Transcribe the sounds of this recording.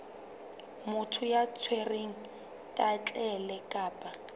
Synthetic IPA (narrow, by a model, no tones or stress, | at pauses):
mʊtʰʊjat͡sʰwereŋ̩ | tʼat͡ɬʼɛlɛkʼaːpʼa